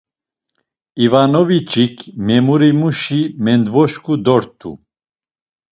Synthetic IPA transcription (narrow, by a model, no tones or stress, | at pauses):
ivanɔvit͡ʃʼikʰmɛmuɾimuʃimɛnd̪vɔʃkʰud̪ɔɾt̪ʰʼṵ